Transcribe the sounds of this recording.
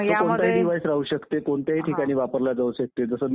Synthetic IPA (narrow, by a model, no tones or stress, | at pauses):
t̪əɾkoɳt̪aɦiːɖiʋajsɾaɦuɕəkt̪ekoɳt̪jaɦiːʈʰikaɽ̃iːʋapəɾlad͡zauɕək̚t̪ed͡zəsə